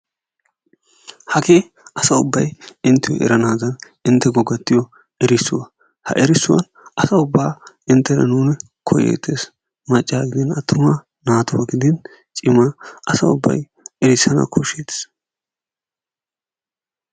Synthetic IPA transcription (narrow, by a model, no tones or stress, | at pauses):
hɐke | ʔɐsɐʊbːɐjɪnt̪ːɪwɔ̰ʔɛ̰ɾɐnaːd̪ɐn | ɪnt̪ːɛɡɔɡɐt̪ːɪjɔ | ɛɾɪsʊwɐ | hɐ̰ʔɛɾɪsːʊwɐ̰n | ɐsɐʊbːaː | ɪnt̪ːɛɾɐ̰nuːnɛ | kʰɔjɛ̰t̪ʰːeːs | mɐt͡ʃʼːaːɡɪd̪ɪnɐt̪ːʊmɐ | naːt̪ʊwɐɡɪd̪ɪn | t͡ʃʼɪmɐʔɐsɐ̰ʊ̰bːɐ̰j | ɛɾɪsɐnɐ̰kʰɔʃet̪s